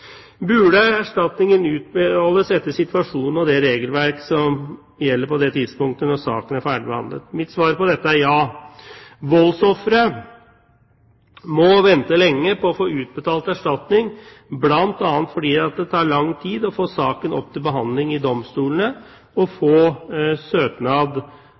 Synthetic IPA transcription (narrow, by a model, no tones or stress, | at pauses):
bʉɖəæʂʈɑt̪nɪŋənʉːt̪̚bəɑːlːəsɛt̪ːəsɪt̪ʋɑʂuːnn̩ɔd̪ɛɾeːɡəlʋæɾksɔm | jɛlːəɾpɔd̪ɛt̪ʰɪd̪spʊŋkt̪ənɔsɑ̰ːkənæɾfæːɖɪbɛhɑ̰nd̪ə̰t̪mɪt̪sʋɑːɾpɔd̪ɛt̪ːəæɾjɑː | ʋɔlsɔfɾə | mɔʋɛnt̪əlɛŋːəpʰɔːfoːʉːt̪̚bət̪ʰɑːlt̪æʂʈɑt̪nɪŋ | blɑnt̪ɑːnt̪fɔɖiːɑt̪̚d̪ɛt̪ʰɑːɭɑŋːt̪ʰiːd̪ɔfoːsɑːkənɔ̰p̚ːt̪ʰɪlbəɦɑnd̪lɪŋɪd̪ɔmst̪uːlnə | ɔfoːsøːk̪nɑːd̪